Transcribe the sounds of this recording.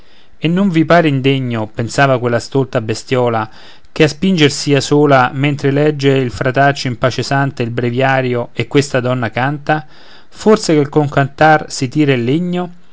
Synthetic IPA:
enːoɱvipaːɾeind̪eɲːopensaːvakwelːast̪olt̪abest̪jɔːla | k̟easpind͡ʒersiasoːlament̪ɾelɛd͡ʒːeilfɾat̪at͡ʃːoimpat͡ʃesant̪eilbɾevjaːɾjoekːwest̪ad̪ɔnːakant̪a | forsekelkoŋkant̪arsit̪iːɾelːeɲːo

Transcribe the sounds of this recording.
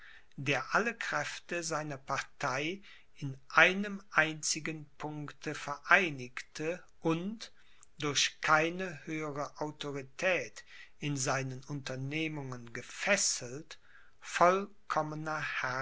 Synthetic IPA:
d̥eːɐʔaləkʁ̥ɛftəzaɪnɐpaɐtʰaɪ | ɪnʔaɪnəmʔaɪnt͡sɪɡənpʰʊŋktʰəfɛɐʔaɪnɪktʰə | ʔʊnt | d̥ʊɐçkʰaɪnəhøːəʁəʔaʊtʰoʁitʰɛːt | ɪnzaɪnənʔʊntɐneːmʊŋənɡəfɛsl̩t | fɔlkʰɔmənɐha

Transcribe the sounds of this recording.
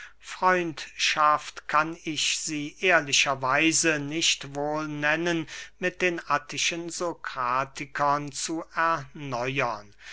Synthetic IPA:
fʁ̥ɔʏntʃaftkʰanɪçz̥iːʔeːɐlɪʃɐvaɪzənɪʃtvoːlnɛnənmɪt̚d̥eːnatɪʃənzokʁ̥aːtʰɪkʰɐnt͡suɛɐnɔʏɐn

